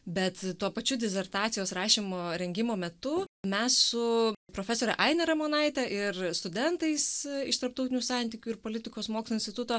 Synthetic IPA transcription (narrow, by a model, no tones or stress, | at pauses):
bʲɛt̪t̪uɔpɐt͡ʃʲʊd̪ʲɛsʲɛɾt̪ɑːt̪sʲɪjoːsɾɑːʃʲɪmoːɾʲɛŋʲɡʲɪmoːmʲɛt̪ʊmʲɛssʊpɾoːfʲɛsoːɾʲɛʔɐɪnʲɛɾɛmoːnɐɪt̪ʲɛʔɪɾst̪ʊd̪ʲɛnt̪ɐɪsɪʃt̪ɐɾrp̚t̪oʊt̪ʲɪnʲuːsɑnʲt̪ʲiːkʲuːɪɾpoːlʲɪt̪ʲɪkoːsmoːkslˠoɪnsʲt̪ʲɪt̪ʊt̪oː